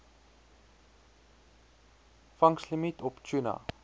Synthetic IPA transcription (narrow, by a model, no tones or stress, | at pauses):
faŋslimitɔpt͡ʃuna̰